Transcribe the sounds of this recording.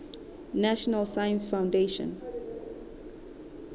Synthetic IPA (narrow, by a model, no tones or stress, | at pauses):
næʃɔnəlsajə̃nsfãʊ̃ndeʃə̰̃n